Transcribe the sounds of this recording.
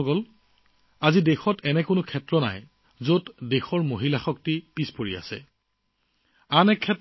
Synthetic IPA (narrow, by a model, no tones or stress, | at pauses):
ɡɔl | azidexɔtɛnɛkʊnʊkʰɛtɹɔna̰j | zotdexɔɹmoɦilaxɔk̚tipispoɹia̰sɛ̰ | anɛkʰːɛt